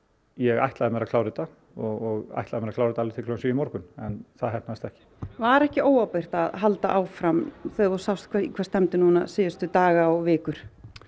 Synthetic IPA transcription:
jɛɣa̰jht̪laðɪmɛɾakʰlaːwɾɪt̪a | ɔɣɔɣa̰jht̪laðɪmɛɾakʰlawɾɪt̪alɪɾt̪ʰɪkʰlɔʏnsijɪmɔɾkʏnɛnθaðɦɛhp̚naɪst̪ɛhcɪ̥vaɾɛhcɪoːwawpejr̥t̪aðɦalt̪aʔaːwfɾamθeɔ̥sawst̪kʰvɛikʰvɛɾst̪ɛmt̪ɪnuːnasɪːjʏst̪ʏt̪aːɣaɔɣvɪːkʏɾ̥

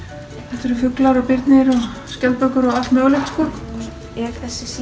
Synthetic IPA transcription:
θɛht̪ɛɾʏfʏklaɾɔpɪɾt̪nɪɾɔɣ | scɛlpœɥkʏɾɔɣalmœːɣlɛht̪skɔ | ɛɾθɛsɪ

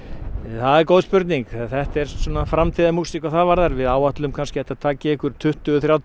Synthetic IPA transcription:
θaðɛɾkoːwðspʏɾt̪niŋkθɛht̪ɛɾ̥sɔnafɾamt̪ʰiðamusihkvaθaðvaɾðaɾvɪðaːwaht̪lʏmkʰanscɪajht̪at̪ʰaːcɪɪhkʏɾ̥t̪ʰʏht̪ʏɔθɾjawt̪

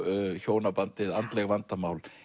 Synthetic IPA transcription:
çoːwnapant̪ɪðant̪lɛɣvant̪amaːwl

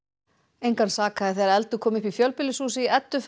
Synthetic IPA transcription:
ejŋkansaːkaðɪθejɾaɛlt̪ʏkʰɔːmɪhpifjœlpɪlːɪsuːsɪiɛt̪ːʏf

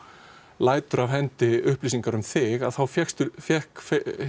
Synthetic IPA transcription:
laːjt̪ʏɾavɦɛnt̪ɪʏhpliːsiŋkaɾʏmθɪɣaðθawfjɛxst̪ʏfjɛhkf

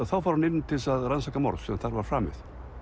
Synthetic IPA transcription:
θawfaɾhanɪnːt̪ʰɪlsaðɾansakamɔ̰ɾsɛðanθaɾvaɾfɾaːmɪ̰ð̥

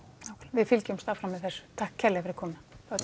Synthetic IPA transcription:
awkʰaɾvɪðfɪlcʏmst̪aːfɾamːɛðθɛsːʏ̥t̪ʰahkcʰːɛɾlɛɣafɪɾɪ̥kʰɔːmɪnaθa

